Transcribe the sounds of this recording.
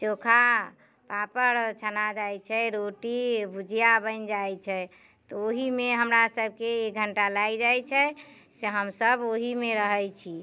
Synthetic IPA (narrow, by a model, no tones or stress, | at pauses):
t͡ʃokʰa | papəɾt͡ʃʰənad͡ʒajt͡ʃʰɛɾoʈibud͡ʒʱijabənd͡ʒajt͡ʃʰɛ | t̪ɔoɦimeɦəmɾasəb̚ʱkeek̚ɡʱəɳʈalaid͡ʒajt͡ʃʰɛ | seɦəmsəboɦimeɾəɦəjt͡ʃʰi